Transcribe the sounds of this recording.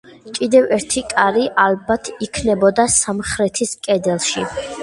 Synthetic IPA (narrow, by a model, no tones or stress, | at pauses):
kʼid̪ɛvɛɾt̪ʰikʼaɾiʔalbat̪ʰikʰnɛbɔd̪asamχɾɛt̪ʰiskʼɛd̪ɛlˠʃi